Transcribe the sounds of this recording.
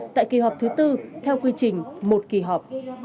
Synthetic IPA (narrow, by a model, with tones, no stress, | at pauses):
t̪a̰ː˧˨jki˨˩ɦɔ˨˩p̚t̪ʰɨ˨˦t̪ɨ˧t̪ʰɛ˧wkwi˧t͡ɕï˨˩ŋ̟mo˨˩t̚ki˧˩ɦɔ˨˩k͡p̚